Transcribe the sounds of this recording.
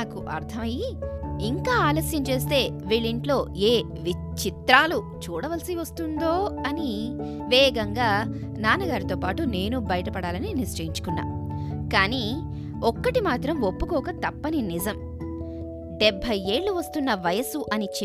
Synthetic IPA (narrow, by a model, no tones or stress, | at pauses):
aːkuʔɐɾt̪ʰɐmɐjiiŋkaːaːloːsjɐnt͡ʃe̞ːst̪e̞ːʋiːɭiɳʈlo̞ːeː | ʋi | t͡ʃit̪ɾaːlu | t͡ʃuːɽɐʋɐlsiʋɐst̪und̪o̞ːɐni | ʋɛːɡɐŋɡaː | naːnɐɡaːɾit̪oːpaːʈune̞ːnubɐjɐʈɐpɐɽaːlɐninist͡ʃɐjiɲt͡ʃu̥kunːa̰ːmkaːniː | ɔkːɐʈimaːt̪ɾɐmopːukɔːkɐt̪ɐpːɐninizɐm | ɖɛbʱːɐje̞ːɭːuʋɐst̪unːɐʋɐjɐsuʔɐnit͡ʃ